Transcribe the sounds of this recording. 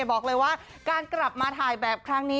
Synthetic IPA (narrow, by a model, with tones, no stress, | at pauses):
bɔː˨˩k̚lɤː˧jwaː˥˩ | kaː˧nkla˨˩p̚maː˧t̪ʰaː˨˩jbɛː˨˩p̚kʰɾa˦˥ŋniː˦˥